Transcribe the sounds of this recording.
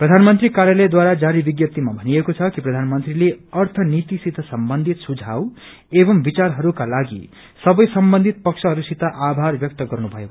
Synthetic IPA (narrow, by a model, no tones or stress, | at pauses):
prʌd̪ʱanmʌnt̪ɾikaɾjalʌjd̪waɾad͡zaɾibiɡjʌt̪ːimabʱʌnijekot͡sʰʌkiprʌd̪ʱanmʌnt̪rileʌrt̪ʰʌnit̪isid̪ʱːʌsʌmbʌnd̪ʱit̪sud͡zʱaw | ebʌmbit͡sarɦʌɾukalaɡḭ | sʌbʌjsʌmbʌnd̪ʱit̪̚pʌksʰʌɦʌɾusit̪aʔabʱarbjʌk̚t̪ʌɡʌrnubʱʌje